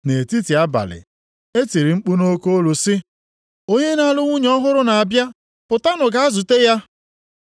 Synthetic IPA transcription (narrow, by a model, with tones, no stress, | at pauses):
ne˨ti˦ti˨a˦ba̰˨lɪ̰˨ | e˦ti˨ɾi˨ŋ͡m̩˦k͡pu˦no˦ko˦lu˨sɪ˦ | o˦ɲe˦na˦lʊ˦ŋʷu˦ɲ˦ɔ˦ɦʊ˦ɾʊ˦na˨a˨bja˦ | pʊ˨ta˦nʊ˨ɡa˨a˦zu˨te˦ja˦